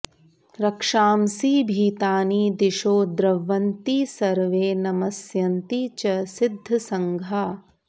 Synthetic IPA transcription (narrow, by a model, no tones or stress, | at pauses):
ɾɐkʂaːmsiːbʱiːt̪aːniːd̪ɪʃoːd̪ɾɐʋːɐnt̪iːsɐɾʋeːnɐmɐsjɐnt̪it͡ʃɐsɪd̪ʱːɐsɐŋɡʱaː